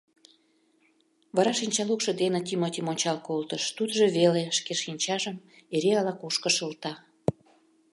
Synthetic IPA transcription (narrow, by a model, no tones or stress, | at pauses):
βɑɾɑʃinʲt͡ɕɑlukʃə̆d̪enə̆t̪imot̪ʲimonʲt͡ɕɑlkolt̪əʃt̪ud̪ʒɤβeleʃkeʃinʲt͡ɕɑʒəmeɾeɑlɑkuʃkə̆ʃəlt̪ɑ